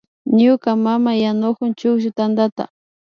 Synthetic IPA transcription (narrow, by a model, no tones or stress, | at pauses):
ɲʊkamamajanʊkʊnt͡ʃʊkʃʊt̪and̪at̪a̰